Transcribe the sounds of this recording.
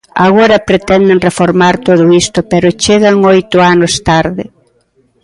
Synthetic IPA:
aɣoɾɐpɾet̪ɛnd̪eŋrefoɾmaɾt̪oðʊist̪ʊpɛɾʊt͡ʃeɣɐŋojt̪ʊanʊst̪aɾðɪ

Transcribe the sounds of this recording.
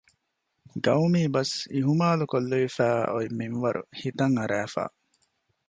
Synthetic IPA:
ɡɐwmiːbɐsiɦumaːlukolːoʋifæːoiminʋɐɾʔṵhit̪ɐŋɐɾæːfa̰ː

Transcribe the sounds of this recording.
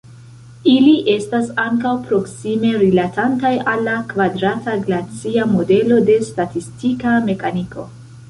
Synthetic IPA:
iliʔe̞stasaŋkawpɾo̞ksime̞ɾilatantajalːakvadɾataɡlat͡siamo̞de̞lo̞de̞statistikame̞kanikʰo̞̰

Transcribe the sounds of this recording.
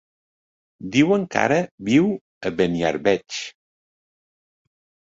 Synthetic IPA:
d̪iwəŋka̰ɾəbiw | əβənia̰ɾβɛt͡ʃ

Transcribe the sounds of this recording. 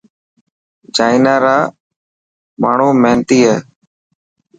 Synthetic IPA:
d͡ʒaːinaːɾaː | maːɳ̤uːmẽːnt̪iːɦɛː

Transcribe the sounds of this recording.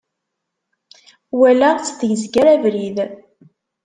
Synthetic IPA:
wælæt͡sːt̪ʝzɡæɾævɾið

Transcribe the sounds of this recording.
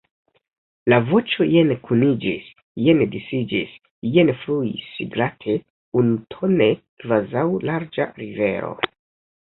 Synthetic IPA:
lavo̞t͡ʃo̞jenkʰunid͡ʒis | jendisid͡ʒis | jenfluḭsḭɡlatʰe | unutʰo̞ne | kvazawlaɾd͡ʒa̰ɾive̞ɾo̞̰

